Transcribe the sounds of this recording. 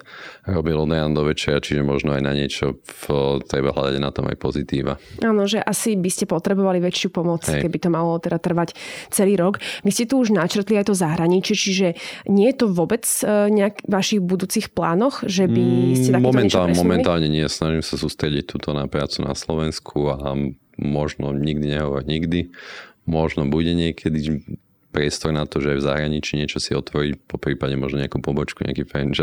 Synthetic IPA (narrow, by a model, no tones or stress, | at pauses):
ɾɔbilˠɔd̪ɾand̪ɔʋɛt͡ʃɛat͡ʃiʒɛmɔʒnɔajna̰ɲɪɛt͡ʃɔ | t̪ɾɛba̰ɦla̰d̪aɟna̰t̪ɔma̰jpɔzit̪iːʋa̰aːnɔʒɛʔasibiscɛpɔt̪ɾɛbɔʋaliʋɛt͡ʃjupɔmɔt͡sɛkɛbit̪ɔmalɔt̪ɛd̪at̪r̩ʋact͡sɛliːɾɔkʋiscɛt̪uuʒnat͡ʃr̩t̪liajt̪ɔzaɦɾaɲit͡ʃɪɛt͡ʃiʒɛɲɪɛjɛt̪ɔʋɔbɛt͡sɲɛakʋaʃiɣbud̪uːt͡sixpla̰ːnɔxʒɛbiscɛt̪amɔmmɛnt̪amɔmɛnt̪aːlɲɛɲɪɛsnaʒimsasuːst̪ɾɛɟic̚t̪uːt̪ʰɔnapɾa̰ːt͡suna̰slɔʋɛnskʰua | mɔʒnɔɲiɡd̪iɲɛɦɔʋɔɾɲiɡd̪imɔʒnɔbuɟɛɲɪɛkʰɛd̪i | pɾɪɛst̪ɔɾnat̪ɔʒɛajvza̰ɦɾaɲit͡ʃiːɲɪɛt͡ʃɔsiɔt̪ʋɔɾicpɔpɾiːpadɛmɔʒnɔɲɛakupɔbɔt͡ʃkuɲɪ̰a̰kifɛnʒɛ